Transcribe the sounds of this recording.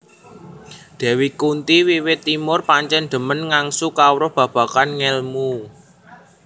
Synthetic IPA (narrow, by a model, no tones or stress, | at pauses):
d̪̥a̤wikunt̪iwiwɪt̪ːimʊrpaɲt͡ʃɛnd̪̥ə̤mənŋaŋsukawɾʊhb̥ä̤b̥ä̤kanŋɛlmu